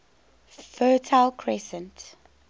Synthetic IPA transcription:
fɜːtʰalkʰɹɛsɛ̃nt

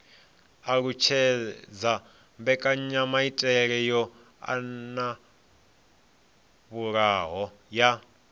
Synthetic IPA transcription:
aɺut͡ʃʰɛd͡za | mbɛkʼaɲamaitʼɛɺɛjɔ | a̰na | βuɺaːɦɔ | ja

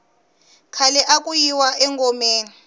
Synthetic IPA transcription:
kʰalɛʔakʼujiwaɛŋkʼɔmeːni

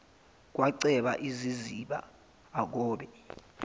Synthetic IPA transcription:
k̬waǀɛɓa̰ʔiziziɓa̰ː | k̬ɔːɓɛ

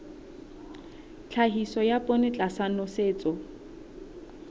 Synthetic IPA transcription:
t͡ɬʰaɦisɔjapʼonɪt͡ɬʼasanɔseːt͡sʼɔ

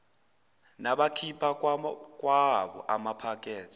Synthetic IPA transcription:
naɓakʰipʰak̬ʼwaɓɔ̰ʔamapʰak̬ʼɛːt͡sʰʼi̥

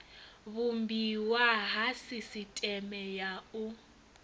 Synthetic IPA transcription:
βumbiwaɦasisitʼɛmɛjau

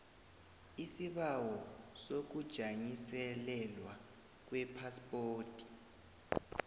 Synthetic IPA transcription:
isiβawɔsok̬ud̥ʒ̥ʱaɲisɛlɛlwa | k̬wɛpʰaspʼoːtʰʼi̥

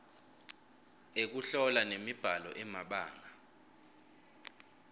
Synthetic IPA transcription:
ek̬uɬɔlanemib̥ʱalɔ̰ʔɛmaɓa̰ːŋa

